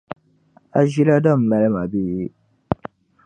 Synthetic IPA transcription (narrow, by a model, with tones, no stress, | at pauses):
a˨ʒi˦la˦da˦˨m̩˨la˨lɛ˦ma˨bi˦